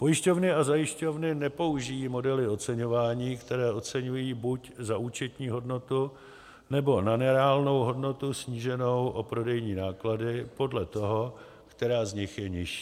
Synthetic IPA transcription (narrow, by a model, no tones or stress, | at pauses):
po̞jɪʃco̞vnɪazajɪʃco̞vnɪnɛpo̞uʒɪjiːmo̞dɛlɪo̞tt͡sɛɲo̞vaːɲiːkt̪ɛɾɛːʔo̞t͡sɛɲujiːbuczaʔuːt͡ʃɛt̪ɲiːɦo̞dno̞t̪u | nɛbo̞nanɛɾɛaːlno̞wɦo̞dno̞t̪usɲiːʒɛno̞wʔopɾo̞dɛjɲiːnaːkladɪpo̞dlɛt̪o̞ɦo̞ | kt̪ɛɾaːzɲɪxjɛɲɪʃi̥ː